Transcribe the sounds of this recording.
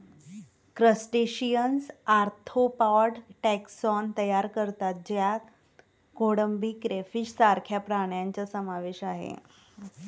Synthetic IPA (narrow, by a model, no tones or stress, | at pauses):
kɾəsʈeɕijənsaɾt̪ʰopaɖʈɛksɔnt̪əjaɾkəɾt̪at̪̚d͡ʑja | koɽəmbikɾefiɕsaɾkʰjapɾaɳ̃jaɲt͡səsəmaʋeɕaɦḛ